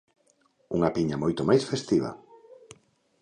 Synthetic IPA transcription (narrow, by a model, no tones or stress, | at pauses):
uŋɐpiɲamojt̪omajsfest̪iβɐ̰